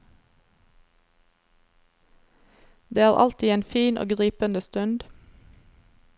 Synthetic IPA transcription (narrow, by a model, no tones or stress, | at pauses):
d̪eːæːʁʔɑ̰lt̪iːeːnfiːnʔo̰ːɡʁiːpənəst̪ʉnd̪